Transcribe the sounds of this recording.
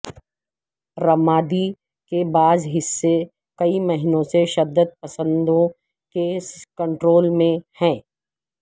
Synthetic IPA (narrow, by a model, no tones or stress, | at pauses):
ɾɐmaːd̪i | kebaːzɦɪsːe | kɐimɐɦɪnõseʃɐd̪ːəd̪̚pɐsə̃nd̪õ | keskɐ̃ɳʈɾoːlmẽhɛ̃ː